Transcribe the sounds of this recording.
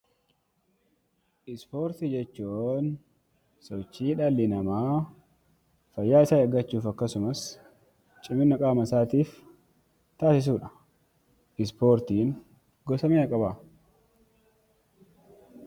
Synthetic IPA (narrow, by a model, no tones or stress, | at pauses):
ʔɪspo̞ːɾt̪ɪd͡ʒɛt͡ʃːuːn | sɔt͡ʃːiːᶑɐlːɪnɐmaː | fɐjːaːɪsaːɐɡɐt͡ʃːuːfɐkːɐsʊmɐs | t͡ʃʼɪmɪnːɐkʼaːmɐsaːt̪iːf | t̪aːsɪs̬uːᶑɐ̥ | ɪs̬po̞ːɾt̪iːn | ɡɔsɐmeːɐkʼɐbaː